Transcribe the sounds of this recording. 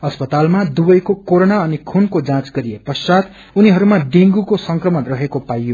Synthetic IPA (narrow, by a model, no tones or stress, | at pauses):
ʌspʌt̪almad̪ubʌjkokoɾonaʌnikʰunkod͡zãt͡sɡʌɾijepʌsat̪ | uniɦʌɾumaɖiŋɡukosʌŋkrʌmʌnrʌɦekopajo